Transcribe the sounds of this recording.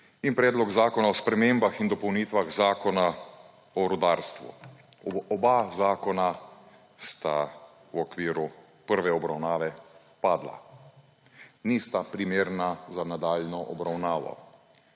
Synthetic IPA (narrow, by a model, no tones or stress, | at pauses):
inpɾɛːd̪lɔɡzaːkɔnaɔspɾɛmeːmbaxind̪ɔpɔwniːt̪ʋaɣzaːkɔna | ɔɾɔd̪aːɾst̪ʋṵ | ɔbazaːkɔna | st̪a̰ | wɔkʋiːɾu | pəɾʋɛɔbɾawnaːʋɛ | paːd̪la̰ | nist̪apɾimeːɾnazanad̪aːlnɔʔɔbɾawnaːʋɔ̰